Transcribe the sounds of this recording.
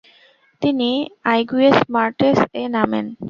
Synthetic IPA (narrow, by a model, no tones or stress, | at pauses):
t̪iniajɡuesmaɾʈesenamḛn